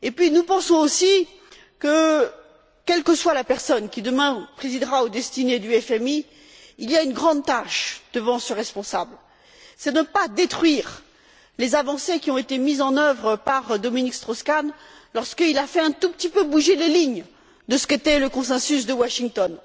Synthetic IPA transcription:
epɥinupɑ̃sɔ̃osi | kə | kʲɛlkəswalapɛʁsɔnkʲid̪əmɛ̃pχezid̪ʁaod̪ɛst̪ined̪yɛfɛmiː | liaynɡʁɑ̃d̪̚t̪aʃd̪̥əvɑ̃səʁɛspɔ̃sabl | sɛd̪ənəpad̪et̪χɥiʁ | lezavɑ̃sekʲiɔ̃et̪emizɑ̃nœvʁəpaʁd̪ɔminikst̪χɔskan | lɔʁskəilafɛɛ̃t̪upət̪ipøbuʒeleliɲ | d̪əsə̥ket̪ɛləkɔ̃sɛ̃sysd̪əwaʃiŋt̪ɔn

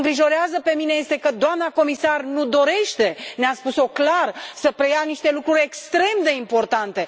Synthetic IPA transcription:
ŋɡɾiʒo̞ɾeazəpe̞mineje̞st̪e̞kəd̪oamnako̞misarnud̪o̞ɾe̞ʃt̪e̞neaspuso̞klarsəpɾejaniʃt̪e̞lukɾuɾʲekst̪ɾe̞md̪e̞impo̞rt̪ant̪e̞

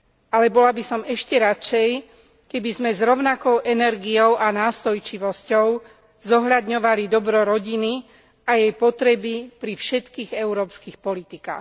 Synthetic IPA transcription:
alɛbɔlabisɔmɛʃcɛɾat͡ʃɛj | kɛbizmɛzɾɔʊnakɔʊʔɛnɛɾɡijɔʊʔanaːst̪ɔjt͡ʃiʋɔscɔʊ | zɔɦʎad̪ɲɔʋalid̪ɔbɾɔɾɔɟini | ajɛjpɔt̪ɾɛbipɾifʃɛt̪kiːɣɛʊɾɔːpskixpɔlit̪ika̰ːx

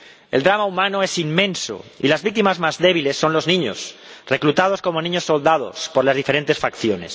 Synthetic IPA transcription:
e̞ld̪ɾamaumãnoesimːẽ̞nso̰ḭlazβik̚t̪imazmazðe̞βile̞sːo̞nlo̞znĩɲo̰sreklut̪aðo̞sko̞mo̞nĩɲosːo̞ld̪að̞o̞̰spo̞ɾlazðife̞ɾe̞nt̪esfakθjo̞ne̞̰s

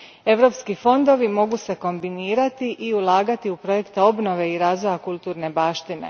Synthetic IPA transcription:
e̞ʋɾo̞pskifo̞nd̪o̞ʋimo̞ɡuse̞ko̞mbiniːɾat̪iʔiulˠaːɡat̪iupɾo̞je̞kt̪eo̞bno̞ʋe̞iɾaːzʋo̞jakulˠt̪uːɾne̞baːʃt̪inḛ

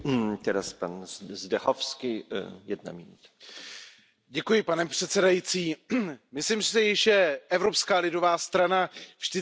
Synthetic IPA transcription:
t̪ɛɾaspanzdɛxofskɪjɛdna̰mɪnut̪ḁ | ɟɛkujɪpanɛpr̝̥ɛt̪sɛdajit͡siːmɪslimsɪsɪjɪʃjɛʔɛvɾo̞pskaːlɪdo̞vaːst̪ɾanavʒdɪ

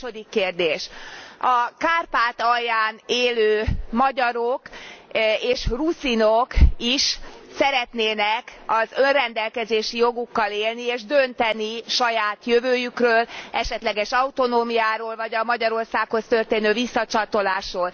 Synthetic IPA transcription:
od̪ikːeːrd̪eːʃɒkaːrpaːt̪ɒjːaːneːløːmɒɟɒɾok | eːʃrusinokiʃsɛɾɛt̪neːnɛkɒzø̞nrɛnd̪ɛlkɛzeːʃijo̞ɡukːɒleːlnieːʒd̪ønt̪ɛniʃɒjaːt̪jøvøːjykrøːlɛʃɛt̪lɛɡɛʃɒut̪o̞noːmijaːɾoːlvɒɟɒmɒɟɒɾo̞rsaːkho̞st̪ø̞rt̪eːnøːvisːɒt͡ʃɒt̪o̞laːʃroːl

